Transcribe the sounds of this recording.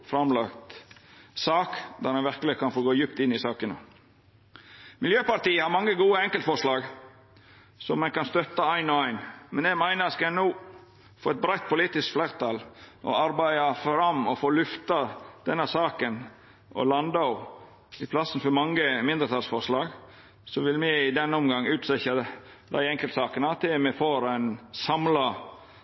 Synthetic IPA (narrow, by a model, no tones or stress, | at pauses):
fɾɑmlɑkt̪sɑːkd̪æɾmɑnʋɪɾkəlɪkʰɑnfoːɡoːjʉpt̪ɪnːɪsɑːkənə̰ | mɪljøːpɑɾt̪iːəhɑɾmɑŋːəɡuːəɛŋkəlt̪fɔɾʂlɑːɡ | sɔmːɛnkɑnst̪œt̪ːɑæɪnɔæɪnmɛnɛɡmæɪnəskɑɛnuː | foːɛt̪̚bɾæɪt̪̚pʰʊliːt̪ɪskflæɾt̪ʰɑlʔɔ̰ɑɾbæɪɑfɾɑmɔfoːlʉft̪ɑd̪̥ɛnːəsɑːkən | ʔɔ̰lɑnd̪ɑ | ɪpʰlɑsn̩fɔɾmɑŋːəmɪnd̪əɾt̪ʰɑlsfɔɾʂlɑːɡ | sɔʋɪlmɛɪd̪ɛnːəɔmɡɑŋːʉːt̪sɛçə | d̪æɪɛŋkəlsɑːkənɑt̪ʰːɪmɛfoːɾæɪnsɑmlɑ